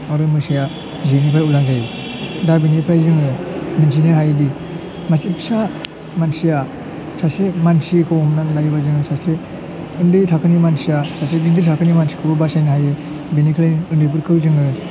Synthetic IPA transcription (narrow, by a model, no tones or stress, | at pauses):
aɾɯmɯsija | zenipʰajulaŋzaj | dabinipʰɾajzɯŋɯmins̬inɯɦajdi | masipsa | mansija | sasemansikʰɯwɔmnanlajɯbazɯŋɯsase | ɯndɯtʰakʰɯnimansijasaseɡidiɾtʰakʰɯnimansi̥kʰɯbɯbasajnɯɦajɯ | binikʰlajnɯndɯp̬uɾkʰɯwzɯŋɯ